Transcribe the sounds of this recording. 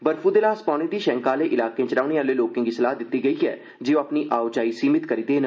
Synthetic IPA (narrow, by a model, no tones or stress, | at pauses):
bəɾfuːd̪eːlaːspaːɽ̃ẽːd̪iːʃɛ̃ːŋkaːleːʔɪlaːkẽːt͡ʃɾaːʊneːaːleːloːkɪ̃ŋɡisəlaːɦd̪ɪt̪ːiːɡəiːɛ̰ː | d͡ʒɪːõaːpniːʔaːʊd͡ʒaːiːsiːmɪt̪kəɾiːd̪eːn